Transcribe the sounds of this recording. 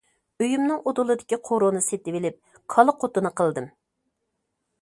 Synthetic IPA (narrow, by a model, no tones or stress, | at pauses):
øjumnɨŋod̪ulˠɨd̪ɪkʲiqʰoɾonɨset̪ɪvɪlɪp̚ | kʰɑlˠəqʰot̪ɨnɨqʰəlˠd̪ɨm